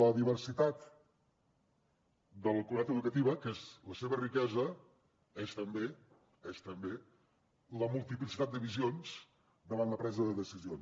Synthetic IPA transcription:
ləðiβəɾsit̪at̪ | d̪əlˠkunat̪əðukət̪iβəkezləseβərikɛzə | est̪əmbe | est̪əmbe | ləmulˠt̪iplisit̪at̪̚d̪əβizions | d̪əβanləpɾɛzəðəðəsizions

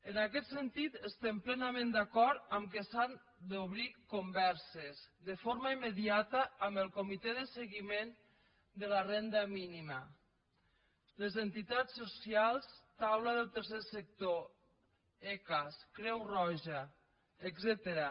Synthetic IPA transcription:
ənakɛt̪sənt̪it̪əst̪ɛmplɛnamẽnd̪akɔɾt̪əmkesan | d̪oβ̞ɾikombɛɾsezd̪əfoɾmaimːəðiat̪əːmbəlˠkomit̪ɛðəseɣimen | d̪əlarɛnd̪əminimə | ləzənt̪it̪at͡sːosjalˠst̪awlaðəlˠt̪əɾsesək̚t̪o | ɛkəskɾɛwrɔʒaː | ɡzɛt̪əɾa

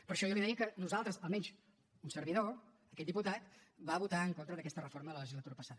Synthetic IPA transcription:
pəɾʃɔjɔliðikənuzalˠt̪ɾəzəlˠmɛnt͡ʃ | unsəɾβiðo | əkɛt̪d̪iput̪at̪βaβut̪aəŋkont̪ɾəðəkɛst̪ərəfoɾməðələləʒizlət̪uɾəpəsaðə

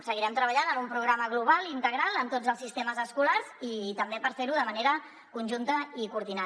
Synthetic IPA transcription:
səɣiɾɛmt̪ɾəβəʎanəmumpɾuɣɾaməɣluβ̞alˠint̪əɣɾalˠəmt̪od͡zəlˠsist̪eməzəskulaɾzit̪əmbepəɾfeɾuðəməneɾə | kunʲʒunt̪əikuɾðina

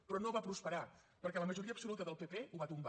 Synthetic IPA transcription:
pɾɔnoβapɾuspəɾa | pəɾkɛləməʒuɾiəːbsulut̪əðəlˠpepeuβat̪umba

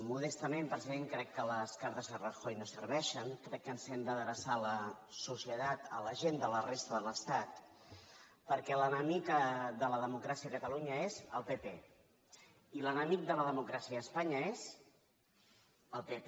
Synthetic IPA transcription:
muðɛst̪əmempɾəziðeŋkɾɛkːələskaɾt̪əzðərəxojnosərβɛʃəŋkɾɛkːənsɛmd̪əðəɾəsaləsusiət̪at̪ə̰ləʒend̪ələrest̪əðələst̪at̪ | pəɾkɛlənəmikəðələðəmukɾasiəkət̪əluɲəezəlˠpepe | ilənəmik̚d̪ələðəmukɾasiəːspaɲəez | əlˠpep

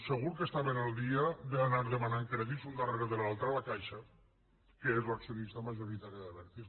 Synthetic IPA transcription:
seɣ̞uɾkest̪aβenalˠd̪iad̪eːnaɾðəmanaŋkɾɛðizund̪arɣeðelalˠt̪ɾəalakajʃa | keezlaksijonist̪amaʒoɾit̪aɾjaðəβɛɾt̪is

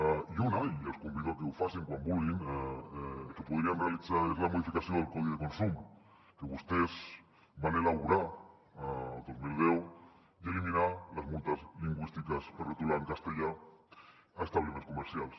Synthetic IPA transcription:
ajunaielskumbiðokewfaseŋkwambulɣina | kepuð̞ɾianrealit͡saɾezlamoðifikasjoðelkoðiðekonsum | keβust̪ez | banelaβuɾa | ad̪ozmilðew | ieliminalazmunt̪azliŋɡwist̪ikaspeɾret̪ulaŋkast̪eʎa | aest̪aβlemenskumeɾsjals

